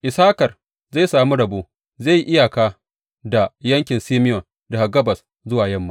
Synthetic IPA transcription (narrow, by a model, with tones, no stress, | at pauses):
ʔɪ˨saː˦kɐ˨r | zaː˦˨jsaː˨mi˦ɽɐ˨boː˦ | za˦˨ji˦˨ʔɪ˦ja˨kaː˦ | da˨jɐ˦ŋkʲɪ˨nsiː˦mɪ˦jɔ˨n | da˨ha˨ɡɐ˦bɐ˨s | zʊ˦waː˨jɐ˦mːa˦